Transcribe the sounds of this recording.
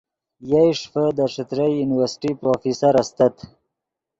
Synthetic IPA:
jajʂfəd̪əʂɪt̪ɾajunɪwaɾsʈipɾofisaɾast̪at̪

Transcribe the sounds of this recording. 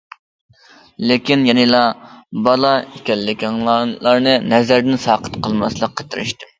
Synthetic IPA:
lɪkʲinjɛnɨlˠɑbɑlˠɑikʲɛlːɪkʲiŋlˠɑlˠɑɾnɨnɛzæɾd̪ɪnsɑːqʰə̥t̪qʰəlˠmɑslˠəqʰːə̥t̪ʰɪɾɪ̰ʃt̪ɪm

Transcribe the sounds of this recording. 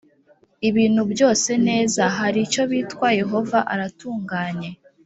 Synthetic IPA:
iβiːn̥hubjo̞ːse̞ne̞ːzaɦaɾit͡ʃo̞βiːtwaje̞ɦo̞vaʔaɾatuːŋɡaːɲe̞

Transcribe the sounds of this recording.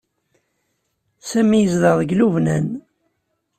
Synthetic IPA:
sæmijəzðəʁðˤəɡluvnæn

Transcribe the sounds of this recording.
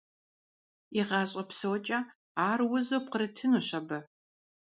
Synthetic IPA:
iʁɑːɕʼɐpsɐwt͡ʃʼɐ | aːrwʊzoːpqəɾɐtʰɨnuɕɐbɐ

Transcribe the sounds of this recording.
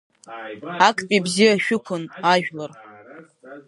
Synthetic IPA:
akʰʼpʼibzijaʃᶣʊkʷʰʊnaʒᶣlar

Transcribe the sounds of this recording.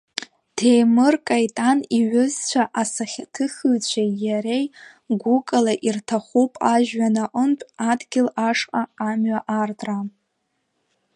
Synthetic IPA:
d̥ʰejmɨrkʼajtʼaniɥʊzt͡ɕʷʰaʔasaχʲtʰɨχɨt͡ɕʷʰajaɾej | ɡʷukʼalaʔirtʰaχupʼaʒᶣɥanaʔəmpʷʼadɡʲɪlaʂqʼaːmɥaʔartʼra

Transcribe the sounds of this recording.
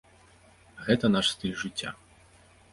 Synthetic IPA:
ɣɛt̪ɐnaʂst̪ɨlʲʐɨt͡sʲːa̰

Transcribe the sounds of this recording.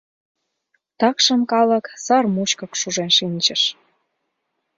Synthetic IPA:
t̪ɑkʃə̆mkɑlə̆ksɑrmut͡ɕkɤ̆kʃuʒenʃinʲt͡ɕə̆ʃ

